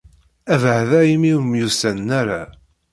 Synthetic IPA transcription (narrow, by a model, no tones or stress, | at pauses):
ævʕðæimiwəmjusænːæɾa